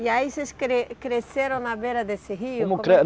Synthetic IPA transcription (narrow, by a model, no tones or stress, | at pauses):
iaiseskɾekɾeseɾõnabeɾad̪eseɦimokɾɛ